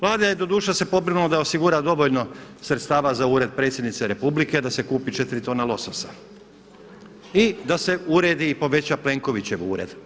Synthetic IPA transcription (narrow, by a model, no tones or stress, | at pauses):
ʋlˠaːd̪ajed̪o̞d̪uːʃase̞po̞bɾinulod̪ao̞siɡuɾad̪o̞ʋo̞ʎno̞sɾet̪st̪aːʋazauːɾe̞d̪̚pɾet̪sʲje̞d̪nit̪seɾe̞publike̞d̪ase̞kuːpit͡ʃe̞t̪ɾit̪oːnalˠo̞sosḁ | id̪ase̞uɾe̞ːd̪iːpo̞ʋe̞t͡ɕaple̞ːŋko̞ʋit͡ɕe̞ʋṵːɾe̞̰d̪̥